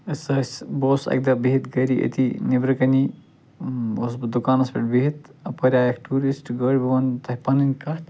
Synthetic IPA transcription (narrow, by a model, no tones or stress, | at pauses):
ɐsɐsboːsɐ̰k̚d̪ɐbiɦit̪ɡɐɾiʔɐ̰t̪ʰinibɾɐkɐni | osbd̪ukaːnɐspʲɐʈbiɦit̪ɐpɐɾʲaːjɐkʈuːɾisʈɡɐːɽʲbɐʋɐnt̪ʰɐɦpɐnɐnʲkɐt̪